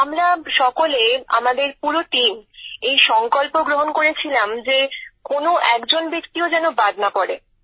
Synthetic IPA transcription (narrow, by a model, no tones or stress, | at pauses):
amɾaʃɔkolea̰mad̪eɾpuɾoʈimejʃɔŋkolpoɡɾoɦonkoɾet͡ɕʰilamd͡ʑekonoʔɛkd͡ʑonbekt̪iod͡ʑɛnobad̪napɔɾe